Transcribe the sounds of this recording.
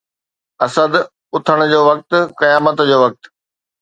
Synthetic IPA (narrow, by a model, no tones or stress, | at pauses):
ɐsəd̪ | ʊt̪ʰəɽ̃ʊd͡ʑoːʋɐk̚t̪kɐjaːmət̪d͡ʑoːʋɐk̚t̪